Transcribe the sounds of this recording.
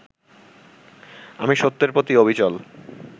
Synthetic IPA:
amiʃot̪ːeɾpot̪iobʱit͡ɕɔl

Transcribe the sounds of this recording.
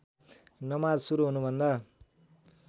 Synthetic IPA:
nʌmad͡zsuɾuɦunubʱʌnd̪a

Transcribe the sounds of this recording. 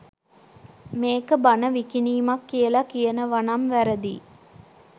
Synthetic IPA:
meːkəbanəʋikiniːmakːijəlakijənəʋanamʋæɾəd̪i

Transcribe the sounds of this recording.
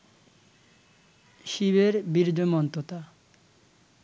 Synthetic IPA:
ʃiβeɾbiɾd͡ʑomɔnt̪ot̪a

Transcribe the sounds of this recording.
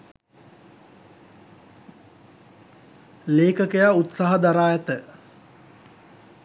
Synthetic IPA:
leːkəkəjaːut̪saːɦəd̪aɾaːjɛt̪ə

